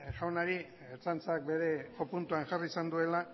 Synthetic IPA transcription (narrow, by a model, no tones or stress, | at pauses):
ʝawnaɾi | et͡sant͡sak̚be̞ɾe̞kopunt̪uaŋʝarisand̪ue̞la